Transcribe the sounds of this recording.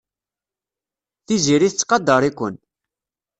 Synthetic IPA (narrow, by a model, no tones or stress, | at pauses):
θiziɾiθt͡sːqɑd̪ːɑɾˤikʷə̰n